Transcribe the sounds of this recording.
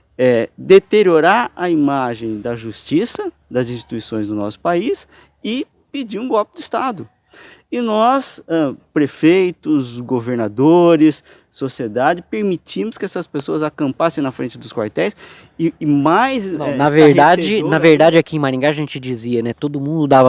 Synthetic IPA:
ɛd̪et̪eɾioɾaɾɐimaʒẽj̃d̪ɐʒust͡ʃisɐd̪ɐzĩsʃt͡ʃi̥t̪uisõj̃zd̪ʊnɔ̰sʊ̥pais | ɪ | pɪd͡ʒiɾũɡɔlpɪd̪ɪist̪ad̪ʊ | ɪnɔsɛpɾefejt̪ʊzɡoveɾnad̪oɾɪsː | osied̪ad͡ʒɪpeɾmit͡ʃimʊskɪɛsɐspesoɐzakɐ̃mpasẽj̃nɐfɾẽnt͡ʃɪd̪ʊskwa̰ɾt̪ɛjs | ɪmajzɐ̃ɛnɐveɾd̪ad͡ʒɪnɐveɾd̪ad͡ʒɪakiẽj̃maɾĩŋɡaɐʒẽt͡ʃɪd͡ʒiziɐnɛt̪od̪ʊmũnd̪ʊd̪avɐ

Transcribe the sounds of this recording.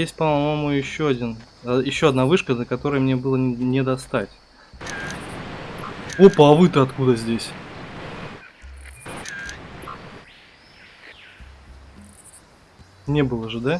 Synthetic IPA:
jesʲt̚ʲpəmɐmomʊjɪɕːoɐdʲin | jɪɕːoɐd̪navɨʂkənəkɐt̪o̞ɾəjəmnʲe̞bɨlˠənʲɪd̪ɐst̪atʲ | opəɐvɨt̪ɨɐt̪kud̪əzʲdʲesʲ | nʲebɨlˠəʐɨd̪a

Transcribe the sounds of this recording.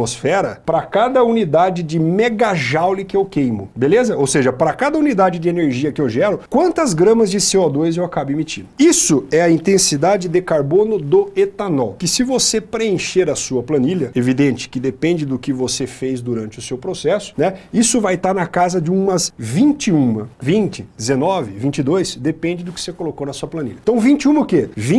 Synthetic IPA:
osfɛɾɐpɾɐkad̪ɐunid̪ad͡ʒɪd͡ʒɪmeɡaʒawlɪkɪewkẽjmʊbelezɐowseʒɐpɾɐkad̪ɐunid̪ad͡ʒɪd͡ʒɪeneɾʒiɐkɪewʒɛɾʊkwɐ̃nt̪ɐzɡɾɐ̃mɐzd͡ʒɪseɔd̪ojzewakabʊemit͡ʃĩd̪ʊisʊɛɐĩnt̪ẽsid̪ad͡ʒɪd̪ɪkaɾbõnʊd̪ʊet̪anɔwkɪsɪvosepɾeẽʃeɾɐsuɐplɐ̃niʎɐevid̪ẽt͡ʃɪ̥kɪd̪epẽnd͡ʒɪd̪ʊkɪvosefejzd̪uɾɐ̃nt͡ʃɪʊsewpɾosɛsʊ̥nɛisʊvajt̪aɾnɐkazɐd͡ʒɪũmɐsvĩnt͡ʃɪũmɐvĩnt͡ʃɪd̪ɪzenɔvɪvĩt͡ʃɪd̪ojsd̪epẽnd͡ʒɪd̪ʊkɪ̥sekolokonɐsuɐplɐ̃nḭlʎɐ̃t̪ɐ̃w̃vĩt͡ʃɪũmɐʊkevĩ

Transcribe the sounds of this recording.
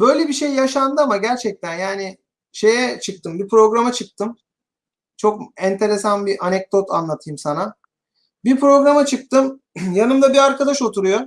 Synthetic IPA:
bø̞jlʲebiʃe̞jːaʃand̪ɯamaɟæɾt͡ʃʰɛc̚t̪ʰænjaːnɪ | ʃe̞jɛt͡ʃʰɯk̚t̪ʰɯmbipɾo̞ɡɾamat͡ʃʰɯk̚t̪ʰɯm | t͡ʃʰo̞kɛnt̪ʰe̞ɾesanbiʔanɛc̚d̪o̞t̪ʰa̰nlˠat̪ʰɯjɯmsana | biɾpɾo̞ɡɾamat͡ʃʰɯk̚t̪ɯm | janɯmd̪abiaɾkad̪aʃo̞t̪ʰuɾujo

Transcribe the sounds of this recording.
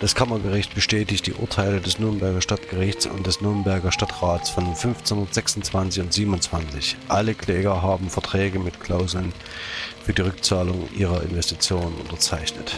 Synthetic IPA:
d̥askʰamɐɡəʁɪçt̚b̥əʃtɛːtɪçt̚d̥ḭːʔʊ̰ɐtʰaɪlədɛsnʏɐnbɛɐɡɐʃtatɡ̥əʁɪçt͡sʊ̰ntd̥ɛsnʏɐnbɛɐɡɐʃtatʁaːtsfɔnfʏnft͡senhʊnɐtz̥ɛksʊnt͡sv̥ant͡sɪçʊntz̥iːbm̩nʊnt͡sv̥ant͡sɪçʔaləklɛːɡɐɦaːbm̩fɛɐtʁ̥ɛːɡəmɪtkʰl̥aʊzl̩n | fyːɐdiːʁʏk̚t͡saːlʊŋʔḭːʁ̞ɐɪ̰nvɛstit͡sjoːnənʊ̰ntɐt͡saɪçnət

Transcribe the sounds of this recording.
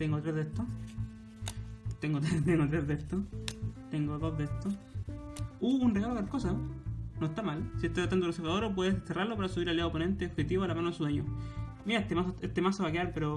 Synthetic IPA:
t̪eŋɡot̪ɾezðet̪o | t̪eŋɡot̪ɾet̪eŋɡot̪ɾezðet̪ot̪eŋɡoðozðest̪o | uːnre̞ɣaloalkosanoest̪amalsiest̪eat̪and̪oɾosefaðoɾop̬weðeseseraɾlopaɾasumiɾaljaopone̞nt̪eoxet̪iβoalamanosuðweɲomiaet̪emasoest̪emasoβakeaɾpeɾo

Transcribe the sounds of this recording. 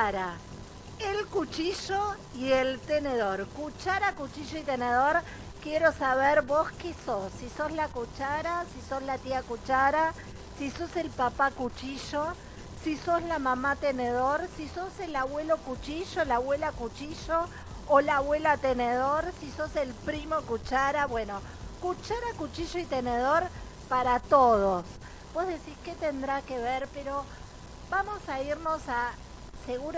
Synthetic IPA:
aɾa | elkut͡ʃiʒo | ielt̪eneðoɾkut͡ʃaɾakut͡ʃiʒoit̪eneðoɾ | kjeɾo̞saβeɾβoskesosːiso̞zlakut͡ʃaɾasiso̞zlat̪iakut͡ʃaɾa | siso̞selpapakut͡ʃiʒo | siso̞zlamamat̪eneðo̞ɾsisoselaβwe̞lo̞kut͡ʃiʒolaβwe̞lakut͡ʃiʒo̞ː | laβwe̞lat̪eneðoɾsisose̞lpɾimo̞kut͡ʃaɾaβwe̞no̞ | kut͡ʃaɾakut͡ʃiʒoit̪eneðo̞ɾ | paɾat̪oðos | bozðesisket̪end̪ɾakeβeɾpeɾo̞ | bamo̞saiɾno̞sa | seɣuɾ

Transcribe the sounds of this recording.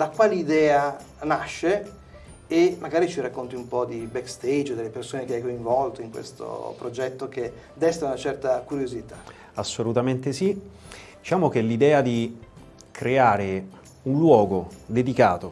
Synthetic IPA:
d̪̥akwaːliːd̪ɛːanaʃːe | emaɡaːɾit͡ʃirakːont̪iumpɔd̪ibɛkst̪ejd͡ʒd̪elːepersoːnekeajkoiɱvɔlt̪oiŋkwḛst̪o̰pɾod͡ʒɛt̪ːoke | d̪ɛst̪aunat͡ʃɛrt̪akuɾjozit̪a | asːolut̪ament̪esi | d̪it͡ʃaːmok̟elid̪ɛːad̪i | kɾeaːɾe | unlwɔːɡod̪ed̪ikaːt̪o

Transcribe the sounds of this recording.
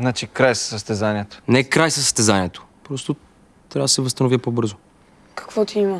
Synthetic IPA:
znat͡ʃikɾajsə̥səst̪ɛzaniɛt̪o̥nɛɛkɾajsəsːə̥st̪ɛzaniɛt̪o̥ | pɾɔst̪o | t̪ɾʲavəd̪ɐsɛvəst̪ɐnovʲipobɤɾzo | kɐ̥kvɔt̪iimɐ

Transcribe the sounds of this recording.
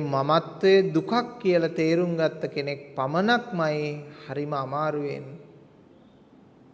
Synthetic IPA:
mamat̪ʋəjəd̪ukakːijəlat̪eːɾuŋɡat̪ːəkenek̚pamənakmajehaɾiməamaːɾujen

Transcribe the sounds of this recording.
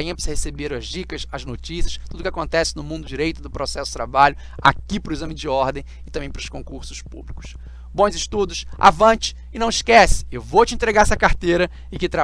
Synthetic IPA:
ĩɐ̃pisɐhesebeɾɐzd͡ʒikɐsɐznot͡ʃisiɐst̪ud̪ʊkɪakõnt̪ɛsɪnʊmũnd̪ʊd͡ʒiɾejt̪ʊd̪ʊpɾosɛsʊdt̪ɾabaʎʊ | a̰kipɾʊezɐ̃mɪ̃d͡ʒɪɔɾd̪ẽj̃ɪt̪ɐ̃bẽj̃pɾʊskõkuɾsʊ̥spṵblikʊ̥s | bõzɪʃt̪ud̪ʊsa̰vɐ̃t͡ʃɪ̥ːnɐ̃w̃ɪʃkɛsɪ̥ewvowt͡ʃɪẽnt̪ɾeɡaɾɛsɐkaɾt̪ejɾɐ | ɪkɪt̪ɾa

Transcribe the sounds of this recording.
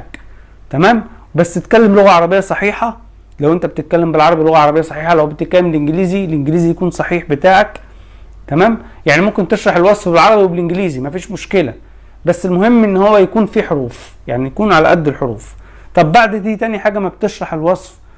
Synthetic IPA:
k | t̪æmæːm | bæsːet̪kælːemloɣæʕɑɾˤɑbejːɑsˤɑħiːħɑ | læwʔent̪æbet̪et̪̚kælːembelʕɑɾˤɑbilːoɣæʕɑɾˤɑbejɑsˤɑħiːħɑlæwbet̪et̪̚kælːemlʔenɡeliːzilʔenɡeliːzijækuːnsˤɑħiːħbet̪aːʕæk | t̪æmæːm | jaʕnimomkent̪eʃɾˤɑħelwɑsˤfbelʕɑɾˤɑbiwebelʔenɡliːzimæfiːʃmoʃkelæ | bæsːelmohemːʔenːhowːæjækuːnfiːħoɾuːf | jaʕnijækuːnʕalæ̰ʔæd̪ːelħoɾuːf | t̪ˤɑbːaʕd̪d̪iːt̪ænjiħaːɡæmæbt̪eʃɾˤɑħelwɑsˤf

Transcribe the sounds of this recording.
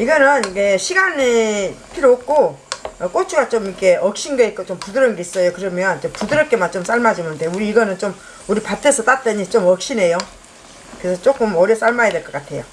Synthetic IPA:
iɡʌnɯnikeɕʰiɡanepʰiɾoop̚k͈oʌk͈ot͡ɕʰuɡat͡ɕomikʰe̞ʌk̚ɕ͈inɡʌit̚k͈ot͡ɕ͈ompudɯɾɯnɡe̞is͈ʌjokɯɾʌmjʌnt͡ɕompudɯɾʌp̚k͈e̞mant͡ɕoms͈aɭmad͡ʑimjɯndejouɾiːɡʌnɯnt͡ɕom | uɾipat͈ʰesʰʌt͈at͈ʌɲit͡ɕ͈omʌk̚ɕ͈ine̞jo | kɯesʰʌt͡ɕ͈ok͈ɯmʌɾjʌs͈aɭmajedwe̞ɭk͈ʌk͈atʰe̞jo̰

